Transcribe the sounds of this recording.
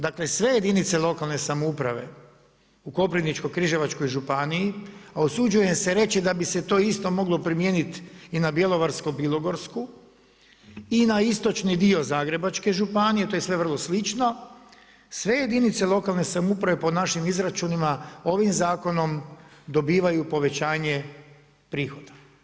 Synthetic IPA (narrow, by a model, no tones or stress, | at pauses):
d̪akle̞sʋe̞je̞d̪init̪se̞lˠo̞kalˠne̞samoupɾaʋe̞̰ | uko̞pɾinit͡ʃko̞jkɾiʒe̞ʋat͡ʃko̞jʒupanijiaosud͡ʒuje̞seɾe̞t͡ʃid̪abise̞t̪o̞ist̪o̞mo̞ɡlo̞pɾimje̞ːnit̪inabje̞lˠo̞ʋaɾskobilo̞ɡo̞ɾsku | inaist̪o̞t͡ʃnid̪io̞zaːɡɾe̞bat͡ʃke̞ʒupanijet̪ojsʋe̞ʋr̩lˠo̞slit͡ʃno̞ | sʋe̞je̞d̪init̪se̞lˠo̞kalˠne̞samupɾaʋe̞ponaʃimizɾat͡ʃunimao̞ʋimzaːko̞no̞md̪o̞biːʋajupo̞ʋe̞t͡ɕaːɲe | pɾiːxo̞d̪̥ḁ